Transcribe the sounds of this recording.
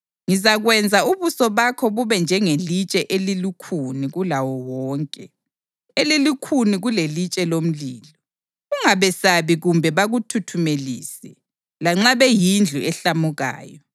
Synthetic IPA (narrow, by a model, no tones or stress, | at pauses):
ŋizaɣwɛnd͡zʱauβusɔβakʰɔβuβɛnd͡ʒʱɛŋelit͡ʃʼɛʔelilikʰuniɣulawɔwɔːŋkʼɛ | elilikʰuniɣulelit͡ʃʼɛlom̩liːlɔ | ɣuŋaβɛsaβiɣumbʱɛβaɣutʰutʰumelḭːsɛ | laŋ͡ǁaβɛjind͡ɮʱuɛɬamuɣa̰ːjɔ